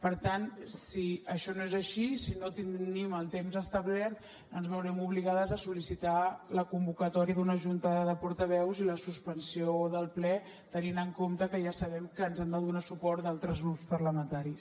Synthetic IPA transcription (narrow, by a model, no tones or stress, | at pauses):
pəɾt̪ansiəʃɔnoezəʃisinot̪iiməlˠt̪emzəst̪əβlɛɾt̪ | ənzβəwɾɛmuβliɣaðəzəsulisit̪aləkumbukət̪ɔɾiəðunəʒunt̪əðəpuɾt̪əβɛwziləsuspənsioðəlˠplɛ | t̪əninəŋkomt̪əkəʒasəβɛmkəːnzɛnd̪əðunasupɔɾt̪d̪alˠt̪ɾəzɣɾupspəɾləmənt̪aɾis